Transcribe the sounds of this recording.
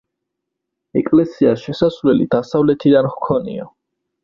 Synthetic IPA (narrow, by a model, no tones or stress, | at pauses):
ɛkʼlɛsiaʃɛsasvlɛlḭd̪asavlɛt̪ʰid̪anχkʰɔnḭa